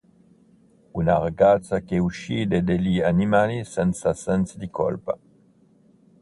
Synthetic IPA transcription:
unaʁaɡat͡sakeuʃid̪ed̪elianimalisɛnsasɛnsd̪ikɔ̰lpa̰

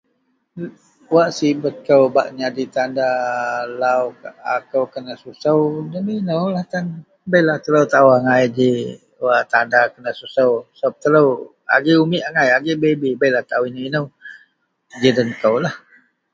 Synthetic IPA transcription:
waʔsibət̪̚kəwbaʔɲadit̪andalawkakəwkənəsusəwnəminəwlaht̪an | bəjlaht̪ələwt̪auaŋajd͡ʒe | waʔt̪andakənəsusəwsəbap̚t̪ələ | a̰ɡeumiʔaŋajaɡeʔbebibəjlaht̪awinəminəw | d͡ʒidənkəwlah

